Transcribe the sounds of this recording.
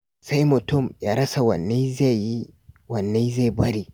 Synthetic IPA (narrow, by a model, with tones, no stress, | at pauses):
sa˦jmɔ˨tɔ˦mja˨ɾɐ˦sa˨wa̰˨nːa˦za˦ji˦wa˨nːa˦jza˦jba˦ɾi˨